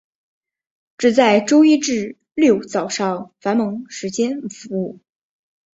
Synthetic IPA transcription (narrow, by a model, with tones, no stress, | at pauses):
ʈ͡ʂɻ̩˨˩t͡sa˥˩ɪʈ͡ʂo˥ʊi˥ʈ͡ʂɻ̩˥˩ | ljo˥˩ʊt͡sɑ˨˩ʊʂɑ˥˩ʊfa˧˥nmɤ˧˥ŋʂɻ̩˧˥t͡ɕjɛ˥nfu˧˥u˥˩